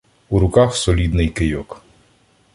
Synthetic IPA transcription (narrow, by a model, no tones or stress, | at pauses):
uɾʊkɑxsɔlʲid̪nɪjkɪjɔk